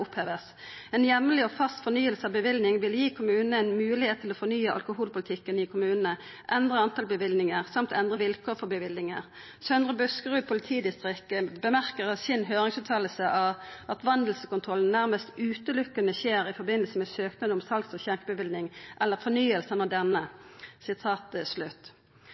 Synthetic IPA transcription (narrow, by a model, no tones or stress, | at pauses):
ʊpheːʋəs | ɛnjɛmːəlɪɔfɑst̪fɔnyːəlsəɑʋbəʋɪlnɪŋʋɪljiːkʰʊmʉːnəɛnmʉːlɪheːt̪ʰːɪloːfɔnyːəʔɑ̰lkʊɦuːlpʊlɪt̪ʰɪkːənɪkʰʊmʉːnənə | ʔɛnd̪ʁəɑnt̪ʰɑlbəʋɪlnɪŋəʁsɑmt̪ʰɛnd̪ʁəʋɪlkʰoːʁfɔbəʋɪlnɪŋəʁ | sœnʁəbʉskəʁʉːpʰʊlɪt̪ʰiːd̪ɪst̪ʁɪkːəbəmæʁkəʁɑsɪnɦøːʁɪŋsʉːt̪ʰɑːləsəʔɑɑt̪ʋɑnd̪l̩səkʊnt̪ʰʁɔln̩næʁməst̪ʉːt̪əlʊkːənəçeːʁɪfɔɾbɪnəlsəmɛsøːknɑd̪əʊmsɑlksɔçæʁkəbəʋɪlnɪŋʔɛlːəʁfɔnyːəlsənɑd̪ɛnːəsɪt̪ʰɑːt̪slʉt̪ː